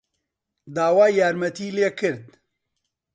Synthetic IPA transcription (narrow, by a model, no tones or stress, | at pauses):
d̪aːwaːjjaːɾmɐt̪iːleːkʰɨɾd̪